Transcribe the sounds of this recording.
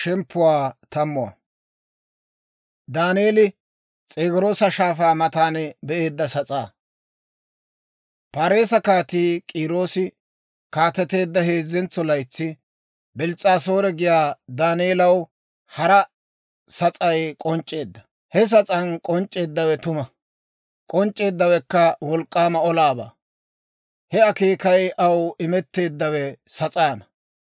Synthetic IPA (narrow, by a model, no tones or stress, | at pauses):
ʃɛmpːʊwaːt̪ɐmːʊwɐ̰ | d̪aːnɪeːlɪ | t͡sʼeːɡɪɾo̞ːsɐʃaːfaːmɐt̪aːnbɛʔe̞ːd̪ːɐsɐt͡sʼaː | paːɾe̞ːsɐkaːt̪iːkʼiːɾo̞ːsɪ | kaːt̪ːɛt̪e̞ːd̪ːɐɦeːzɛnt͡sːɔlɐjt͡sːɪ | bɛlt͡sʼaːso̞ːɾɛɡɪjaːd̪aːnɪːlɐw | hɐɾɐ | sɐt͡sʼɐjkʼɔnt͡ʃʼe̞ːd̪ːɐ̥ | hɛs̬ɐt͡sʼɐnkʼɔnt͡ʃʼːe̞ːd̪ːɐwɛt̪ʊmɐ | kʼɔnt͡ʃʼːe̞ːd̪ːɐwɛkːɐwɔlkʼːaːmɐɔlaːba̰ː | hɛɐkeːkɐjɐwɪmɛt̪ːe̞ːd̪ːɐwɛsɐt͡sʼaːnɐ